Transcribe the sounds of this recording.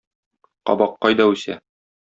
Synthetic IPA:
qɒ̰bɑqːɒjd̪ɒʉsæ

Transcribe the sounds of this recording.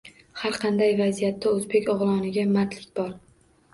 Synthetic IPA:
haɾqʰɑnd̪ajvazijat̪ʰːaɵzbekʲɒʁlˠɒnɪɡʲamat̪lɪkʲbɒɾ

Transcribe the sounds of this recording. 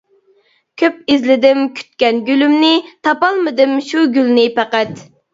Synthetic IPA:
kʲʰøp̚izlɪd̪ɪmkʲʰy̥t̪̚kʲɛnɡʲylymnɪt̪ʰɑpɑlˠmɨd̪ɨmʃuɡʲylnɪpæqæt̪

